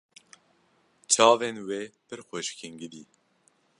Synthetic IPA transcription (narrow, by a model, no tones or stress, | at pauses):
t͡ʃʰɑːvenweːpɨɾxʷeʃkʰiŋɡɨd̪iː